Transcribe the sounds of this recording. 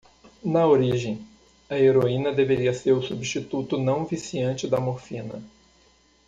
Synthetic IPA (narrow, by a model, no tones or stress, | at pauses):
nɐoɾiʒẽj̃ | ɐeɾoĩnɐd̪eveɾiɐseɾʊsubiʃt͡ʃit̪ut̪ʊnɐ̃w̃visiɐ̃nt͡ʃɪd̪ɐmoɾfĩnɐ̰